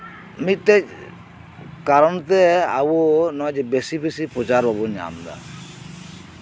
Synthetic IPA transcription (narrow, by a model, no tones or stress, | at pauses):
miʈɛc̚ | kaɾɔnt̪ɛabunɔd͡ʒbesibesipɾɔt͡ʃaɾbʱabɔɲa̰ːmd̪a̰